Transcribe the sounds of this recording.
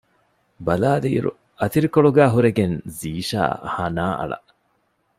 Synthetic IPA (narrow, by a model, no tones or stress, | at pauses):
bɐlaːliːɾṵ | ɐt̪iɾikoɭuɡæːɦuɾeɡenziːʃa̰ːhɐnaːʔɐ̰ɭɐ̰